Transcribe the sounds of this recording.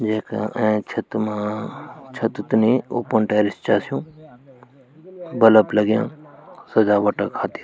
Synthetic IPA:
d͡ʒeːkã̰ʔẽt͡ʃʰɐt̪mãːt͡ʃʰɐt̪t̪nẽo̰ːpənʈeːɾist͡ʃaːsijũː | bɐləplɐɡjã̰ːsɐd͡ʒaːʋɐʈəkʰːaːt̪i

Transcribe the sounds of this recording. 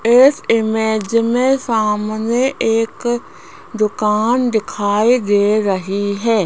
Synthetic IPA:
ɪsɪmɛːd͡ʒmẽsaːmneʔeːk | d̪ʊkaːnd̪ɪkʰaːid̪eːɾəɦiɦɛː

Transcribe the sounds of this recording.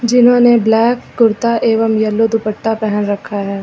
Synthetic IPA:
d͡ʒɪnɦõːneblɛːkːʊɾt̪aʔeːʋəmjɐlːod̪ʊpəʈːapɛɦənɾɐkʰːaɦɛː

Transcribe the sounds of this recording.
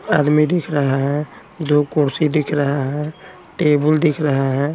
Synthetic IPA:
aːd̪mid̪ɪkʰɾəɦaɦɛ̃ | d̪okoɾsid̪ɪkʰɾəɦaɦɛ̃ | ʈebəld̪ɪkʰɾəɦaɦɛ̃

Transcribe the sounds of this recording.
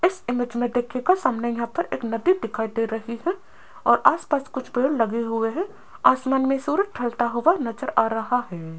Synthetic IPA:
ɪsɪmed͡ʒmẽd̪eːkʰekasaːmnəjɐɦãpɐɾḛːknɐd̪id̪ɪkʰaːid̪eɾɐɦiɦɛ | ɔːɾʔaːspaːskʊt͡ʃʰbeːɽlɐɡeɦʊeɦɛ | aːsmaːnmẽsuːɾəd͡ʒʈʰɐlt̪aɦʊʋanɐd͡ʒəɾaːɾɐɦaɦɛː

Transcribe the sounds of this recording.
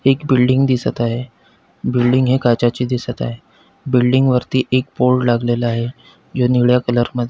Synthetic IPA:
ekbilɖiŋɡd̪isət̪aɦe | bilɖiŋɡɦekat͡ɕat͡ɕiːd̪isət̪a̰ɦe | bilɖiŋɡʋəɾt̪iːʔekpoɾʈlaɡlelaaɦe | d͡ʑoniɭjakələɾməd̪ʱje

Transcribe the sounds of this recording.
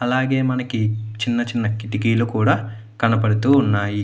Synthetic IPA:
ɐlaːɡe̞ːmɐnɐkit͡ʃinːɐt͡ʃinːɐkiʈikiːlukuːɽaː | kɐnɐpɐɽut̪uːunːaːji

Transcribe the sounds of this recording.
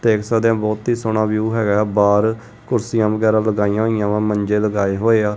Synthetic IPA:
t̪eːɪksaːd̪jãːbɔːt̪ɦiːsoːnãːʋjuːɦɛːɡaːbaːɾ | kʊɾsɪjãːʋəɡɛːɾãːləɡaːijãːɦoːijãːʋãːməɲd͡ʒeːləɡaːeːɦoːeːaː

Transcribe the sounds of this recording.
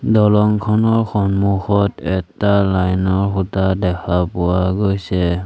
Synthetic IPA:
dɔlɔŋkʰɔnɔɹxɔnmuxɔtɛtalajnɔɹxutadɛkʰapɔwaɡojsɛ

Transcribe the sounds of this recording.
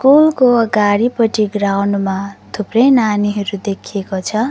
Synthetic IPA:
skulkoʌɡaɽipʌʈiɡrawnmat̪ʰuprʌjnaniɦʌɾud̪ekʰiekot͡sʰʌ

